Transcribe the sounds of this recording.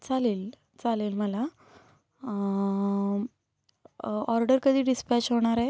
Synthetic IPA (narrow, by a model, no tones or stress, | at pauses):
t͡saleːl | t͡saleːlməla | ɔɾɖəɾkəd̪ʱiːɖispæt͡ɕɦoɽ̃aɾɛ